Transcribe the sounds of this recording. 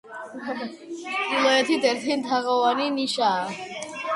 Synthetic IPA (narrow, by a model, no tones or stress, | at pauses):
ilɔɛt̪ʰid̪ɛɾt̪ʰint̪ʰaʁɔvaniniʃa